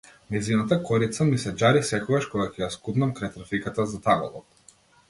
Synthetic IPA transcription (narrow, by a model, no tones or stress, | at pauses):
mɛzinat̪akɔɾit̪samisɛd͡ʒaɾisɛkɔɡaʃkɔɡakɛjaskud̪namkɾajt̪ɾafikat̪azat̪aɡɔ̰lˠɔ̰t̪